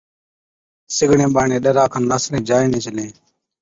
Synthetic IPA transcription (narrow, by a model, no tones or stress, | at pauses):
sɪɡɽẽːɓaːɳẽːɗəɾaːkʰənnaːslẽːd͡ʒaːiːnẽːt͡ʃəlẽː